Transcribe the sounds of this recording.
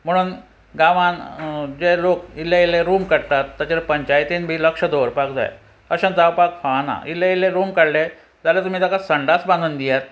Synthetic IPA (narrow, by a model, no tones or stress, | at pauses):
m̤əɽ̃uːn | ɡãʋãnd͡zelokilːailːeɾumkəɽt̪at̪ːat͡ɕeɾpəɲt͡ɕajt̪iːnbʱiːləkʂəd̪oʋəɾpakd͡za̰j | əɕə̃nd͡zaʋpakfana̰ilːeileɾuːmkəɽle | d͡zalet̪um̤iːd̪akasəɳɖat͡sbãnd̪uːnd̪ijat̪̚